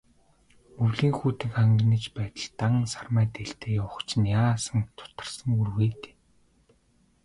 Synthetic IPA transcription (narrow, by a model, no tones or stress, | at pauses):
ɵwɮiːŋxuːt̪ɘ̆kaŋɡniːt͡ɕpæːt̪ə̆ɮt̪aŋsarmæːt̪eɬt̪eːjʊwχt͡ɕnjaːsə̆nt̪ʰʊ̥t̪ə̆rsə̆ŋurweːt̪e̥ː